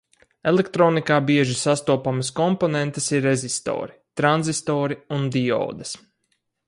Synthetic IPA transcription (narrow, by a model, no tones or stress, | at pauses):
elekt̪ɾɔːnikaːbiɛʒisast̪uɔpamɐskɔmponent̪ɐsiɾezʲist̪ɔ̰ːɾit̪ɾanzist̪ɔːɾiund̪iɔ̰ːd̪ɐs